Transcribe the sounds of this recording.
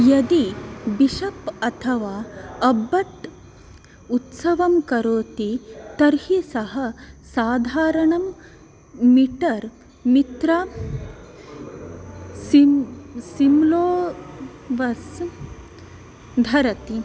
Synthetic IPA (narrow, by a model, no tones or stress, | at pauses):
jɐd̪ibiʃɐpɐt̪ʰɐʋaːɐbːɐt̪ | ut̪sɐʋɐmkɐɾoːt̪it̪ɐɾhisɐɦɐsaːd̪ʱaːɾɐɳɐm | miʈɐɾ | mit̪ɾɐ | sisimloː | ʋɐs | d̪ʱɐɾɐt̪i